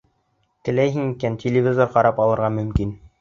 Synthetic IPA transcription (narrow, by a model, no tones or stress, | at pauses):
t̪ɘ̆læjɦɘŋikæntʲelʲɪvʲizoɾqɑɾɑpɑlˠɤ̆ɾʁɑmɵ̆mkin